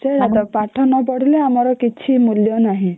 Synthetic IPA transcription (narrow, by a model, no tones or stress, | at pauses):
t͡ʃeɾad̪ɔpaʈʰɔnɔbɔɽ̤ileamɔɾɔkit͡ʃʰimuljɔnaɦĩ